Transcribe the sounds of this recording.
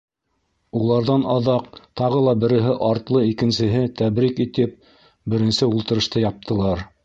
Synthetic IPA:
ulˠɑɾðɑnɑðɑq̚t̪ɑʁɤlˠɑbɘ̆ɾɘ̆ɦɘʔɑɾt̪lˠɤikɘ̆nsɘ̆ɦɘt̪æβɾikit̪ɘp̚ | bɘ̆ɾɘ̆nsɘulˠt̪ɤ̆ɾɤ̆ʃt̪ɤjɑp̚t̪ʰɤ̆lˠɑɾ

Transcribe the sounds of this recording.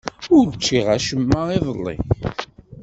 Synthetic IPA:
ʊɾt͡ʃːiʁæʃəmːaiðˤəlːḭ

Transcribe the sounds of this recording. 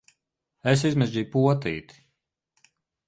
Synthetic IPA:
es̬izmɛzʲd͡ʒiːjpuɔt̪ḭːt̪i̥

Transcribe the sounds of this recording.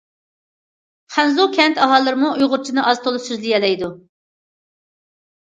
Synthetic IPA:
χænzukʲʰɛnt̪ɑɦɑlˠːɨɾɨmuujʁʊɾt͡ʃʰinɨʔɑz̥t̪ʰolˠɨsyzlijɛlɛjd̪u

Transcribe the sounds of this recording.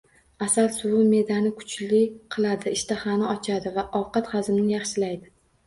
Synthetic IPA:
asalsʊwʊme̞d̪anɪkʰʊ̥t͡ʃlɪqʰɨlˠad̪ɪɪʃt̪ʰahanɪɒt͡ʃʰad̪ɪvaʔɒwqɑt̪χazɪmnɪjɑχʃɪlajd̪ɪ

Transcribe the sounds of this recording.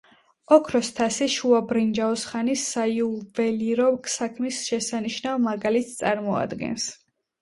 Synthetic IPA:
ɔkʰɾɔst̪ʰasiʃuabɾind͡ʒaɔsχanisːaiuvɛliɾɔkʰsakʰmisʃɛsaniʃnavmaɡalit̪ʰt̪sʼaɾmɔa̰d̪ɡɛ̰ns

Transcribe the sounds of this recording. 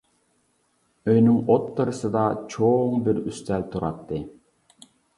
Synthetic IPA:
œjnyŋɔt̪ːɯɾɯsɯd̪ɑt͡ʃʰoːŋbiɾyst̪ælʲt̪uɾɑt̪ːɯ

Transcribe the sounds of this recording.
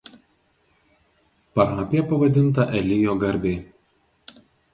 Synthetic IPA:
pɐɾɑːpʲɪjɛpɐʋɐd̪ʲɪnˑt̪ɐʔɛlʲɪjoːɡɐɾʲbʲeː

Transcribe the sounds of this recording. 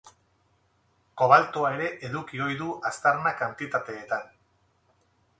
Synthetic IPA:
ko̞β̞alt̪oae̞ɾe̞ʔeðukio̞jðuʔast̪aɾnakant̪it̪at̪e̞ːt̪an

